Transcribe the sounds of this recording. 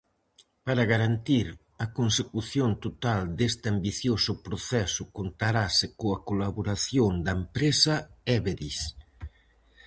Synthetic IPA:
paɾaɣaɾant̪iɾ | ɐkonsekuθjont̪ot̪ald̪est̪ɪambiθjosʊpɾoθɛsʊkont̪aɾasɪkoɐkolaβoɾaθjond̪ɐempɾesaɛβeðis

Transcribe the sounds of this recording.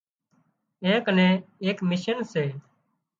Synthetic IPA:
ẽːkənẽːeːkmɪʃənseː

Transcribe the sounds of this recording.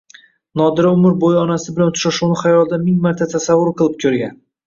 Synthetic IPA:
nɒd̪ɪɾaʊmɪɾbojɒnasɪbɪlant̪ʰʊ̥ʃaʃuwnɪχajɒlˠd̪amɪŋmaɾt̪ʰat̪ʰasavːʊɾqʰɨlˠɪp̚kʲʰɵɾɡʲan

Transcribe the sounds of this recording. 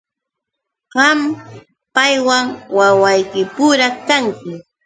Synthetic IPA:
ɢɑm | pajwaŋwawajkɪpʊɾakaŋkɪ

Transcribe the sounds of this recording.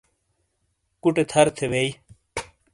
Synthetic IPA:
kuʈet̪ʰɐɾt̪ʰebei

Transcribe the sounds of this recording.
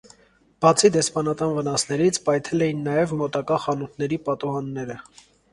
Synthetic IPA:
b̥ɑt͡sʰid̪ɛspɑnɑt̪ɑnvənɑsnɛɾit͡sʰpɑjt̪ʰɛlɛjinːɑjɛvmɔt̪ɑkɑχɑnut̪ʰnɛɾipɑt̪uɦɑnːɛɾə

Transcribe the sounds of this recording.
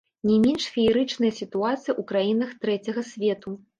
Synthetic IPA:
nʲɛmʲɛnʂfʲiːɾɨt͡ʂnɐjɐsʲit̪uat̪sɨjɐʔukɾajinɐxt̪ɾɛt͡sʲɐɣɐsʲvʲɛt̪u

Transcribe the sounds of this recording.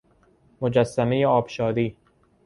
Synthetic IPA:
mod͡ʒæsːæmejeɒːbʃɒːd̪iː

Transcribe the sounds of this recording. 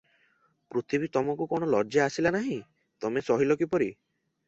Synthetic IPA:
pɾot̪ʰibit̪ɔmɔkukoɽ̃ɔlɔɾd͡ʒeasilanaɦĩ | t̪ɔmesɔɦilɔkipɔɾi

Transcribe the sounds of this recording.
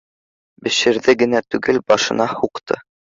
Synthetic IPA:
bɘ̆ʃɘ̆ɾðɘɡɘ̆næt̪ʉɡɘlbɑʃɤ̆nɑhuqt̪ʰɤ̰

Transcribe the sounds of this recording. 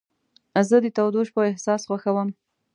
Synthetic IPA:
zəd̪ət̪awd̪oʃpəɪhsɑsɣwaxawəm

